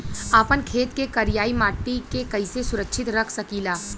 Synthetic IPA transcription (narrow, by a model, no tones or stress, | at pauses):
apənkʰeːt̪kekɐɾijaːimaːʈːikekɐisesʊɾəkʃʰɪt̪ɾəkʰsɐkiːlaː